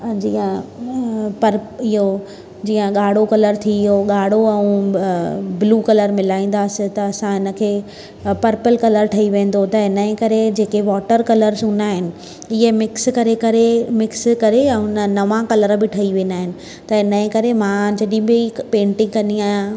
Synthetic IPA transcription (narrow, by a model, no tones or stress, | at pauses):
d͡ʑiːã | pɐɾɪɦo | d͡ʑiːə̃ɠaːɽ̤okɐləɾt̪ʰiɪɦoɠaːɽ̤oɛ̃ | bluːkɐləɾmɪlaːĩːn̆d̪aːsɪt̪ɐːsãɦɪnə̆kʰeː | pɐɾpəlkɐləɾʈʰɐiʋẽːn̆d̪ot̪ɐɦɪnəẽkɐɾed͡ʑeːkeʋɔːʈəɾkɐləɾsʊ̃naːɦɪnɪ̆ | ɪɦemɪkskɐɾekɐɾemɪkskɐɾẽːʊnənɐʋãkɐləɾbɪʈʰɐiʋẽːnd̪aːɦɪnɪ̆ | t̪ɐɪnəẽkɐɾemãd͡ʑɐɗĩbɪipẽːɳʈɪ̃ŋɡkɐniaːɦijã